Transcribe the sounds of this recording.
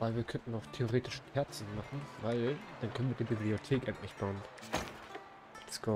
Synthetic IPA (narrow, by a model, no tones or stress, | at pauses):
v̥aɪlviːɐkʰœntn̩aʊtʰeoʁeːtɪʃʰɛɐt͡sn̩maχn̩vaɪld̥ankʰœnviɐdiːbibliotʰeːkʔɛntlɪçb̥aʊn | skɔ